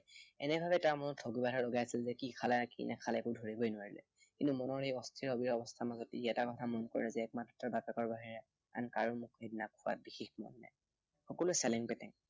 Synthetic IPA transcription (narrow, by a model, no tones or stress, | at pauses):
ɛ̰nɛbʱabɛtaɹmɔnɔtʰɔɡibaɦɔɹlɔɡajasilzɛkikʰalɛkḭnʔɛ̰kʰalɛɛkudʱoɹibɔjnʊwaɹilɛ̰ | kĩntumɔnɔɹejɔstʰiɹobiɹɔbɔstʰamazɔtiɛtakɔtʰamɔnkɔ̰ɹilɛzɛɛk̚matɔtːɔbjapɛkɔɹbaɦiɹɛ | a̰nkaɹumʊkednakʰʊa̰bixexmɔ̰nːa̰j | xɔkɔlʊjsɛliŋpɛtɛŋ